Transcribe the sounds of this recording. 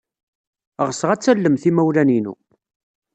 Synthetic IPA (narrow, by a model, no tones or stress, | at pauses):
ʁəsʁæt͡sːælːəmθimæwlæninṵ